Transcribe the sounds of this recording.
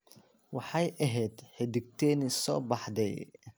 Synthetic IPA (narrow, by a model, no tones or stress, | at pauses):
wɑħɑjʔɐɦɛd̪ħɛd̪ɪɡ̚t̪ʰɛːnɪsɔ̰ːbɑħd̪ɛj